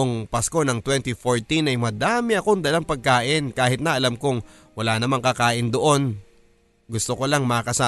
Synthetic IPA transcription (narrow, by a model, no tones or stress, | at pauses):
oŋpɐsko̞nɐŋt̪wɛnt̪ifoɹt̪inɐjmɐd̪aːmɪɐko̞ŋd̪ɐlaŋpɐɡ̚kaːʔɪnkaːhɪt̪nɐʔɐlamkoŋ | wɐlanɐmaŋkɐkaːʔɪnd̪oʔo̞n | ɡʊst̪oko̞laŋmɐkɐsaː